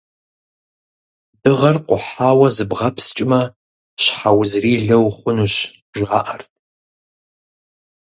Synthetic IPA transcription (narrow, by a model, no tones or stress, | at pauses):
dɨʁɐrqʷʼʊħaːwɐzɨbʁɐpʰst͡ʃʼɪmɐ | ɕħawzriːɮɐwχʷʊnuːɕ | ʒʷaːʔɐrtʰʼ